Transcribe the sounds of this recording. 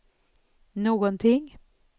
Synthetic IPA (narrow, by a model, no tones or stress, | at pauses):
noːɡənt̪ʰɪŋ